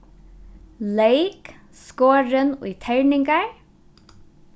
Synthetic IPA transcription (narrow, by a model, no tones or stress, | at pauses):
lejk | skoːɾənʊ̰jt̪ʰɛɹnɪŋkaɹ